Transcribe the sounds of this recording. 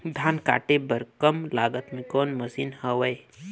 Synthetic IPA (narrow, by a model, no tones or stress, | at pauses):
d̪ʱaːnka̰ːʈebəɾkəmlaːɡət̪mẽkɔːnmɐsiːnhəʋəe